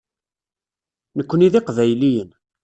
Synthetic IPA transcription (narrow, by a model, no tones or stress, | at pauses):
nəkʷːəniðiqvæjlijən